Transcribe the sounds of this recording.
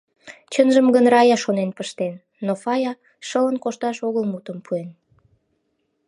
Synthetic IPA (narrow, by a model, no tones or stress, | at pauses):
t͡ɕənʒəmɣənrɑjɑʃonenpəʃt̪enːofɑjɑ | ʃələnkoʃt̪ɑʃoɣəlmut̪əmpʰuen